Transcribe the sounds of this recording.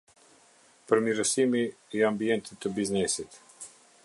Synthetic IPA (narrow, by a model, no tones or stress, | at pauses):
pəɾmiɾəsimiːambiɛnt̪it̪ːəbiznɛsit̪